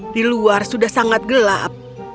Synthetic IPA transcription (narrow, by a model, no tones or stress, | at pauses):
diluarsudahsaŋat̪̚ɡəla̰p̚